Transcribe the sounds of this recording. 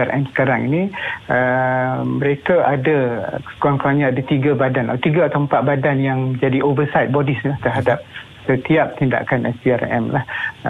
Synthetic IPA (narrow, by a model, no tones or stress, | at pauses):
aɾʔɛmsə̥kaɾaŋḭniə | məɾekaʔadakoaŋkaŋɲaadat̪iɡabadanat̪iɡaat̪awmpat̪̚badanjaŋəd͡ʒadiʔobəsajt̪̚bɔdislaht̪ərɦadap̚ | sət̪iap̚t̪inda̰kanʔɛ̰siarɛ̰mlah